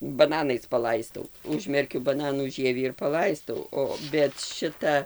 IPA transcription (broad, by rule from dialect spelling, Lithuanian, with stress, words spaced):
bɐˈnɑːnɐɪs pɐˈlˠɐɪstɐʊ ˈʊʒʲmʲɛrʲkʲʊ bɐˈnɑːnuː ˈʒʲiɛʋʲiː ɪr pɐˈlˠɐɪstɐʊ ˈoː bʲɛt ˈʃʲɪtɐ